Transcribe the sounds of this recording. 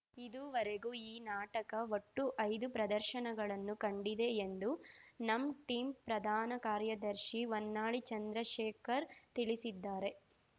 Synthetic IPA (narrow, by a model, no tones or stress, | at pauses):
id̪uːʋɐɾeɡuːiːnaːʈɐkɐʋoʈːuʔɐjd̪upɾɐd̪ɐɾʃɐnɐɡɐɭɐnːukɐɳɖid̪e̞ːnd̪unɐmʈiːmpɾɐd̪ʱaːnɐkaːɾjɐd̪ɐɾʃiʋonːaːɭit͡ʃɐnd̪ɾɐʃeːkʰɐɾt̪iɭisid̪ːaːɾe̞